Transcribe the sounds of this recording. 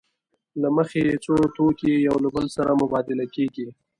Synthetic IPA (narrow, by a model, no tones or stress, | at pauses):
laməxet͡sot̪okejawlabəlsaɾamʊbɑd̪ɪlakeɡi